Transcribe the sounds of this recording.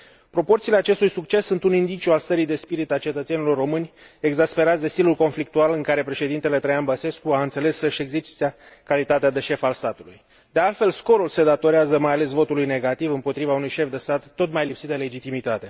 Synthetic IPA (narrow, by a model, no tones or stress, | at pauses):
pɾo̞po̞rt̪siːleat͡ʃe̞st̪ujsuk̚t͡ʃe̞sːunt̪unind̪it͡ʃiualst̪əɾijd̪e̞spiɾit̪alt͡ʃe̞t̪ət̪se̞nilo̞rːo̞mɨnʲ | e̞ɡzaspe̞ɾat̪sd̪e̞st̪ilulko̞nflik̚t̪ualɨŋkaɾe̞pɾe̞ʃe̞d̪int̪e̞le̞t̪ɾejanbəse̞skuaɨnt̪se̞le̞sːəʃe̞ɡzist̪a | kalit̪at̪ead̪e̞ʃe̞falst̪at̪ulṵj | d̪e̞alt̪fe̞lsko̞ɾulse̞d̪at̪o̞ɾeazəmajale̞svo̞t̪ulujne̞ɡat̪ivɨmpo̞t̪ɾivaunujʃe̞fd̪e̞st̪at̪ːo̞t̪majlipsit̪̚d̪ele̞d͡ʒit̪imit̪at̪e̞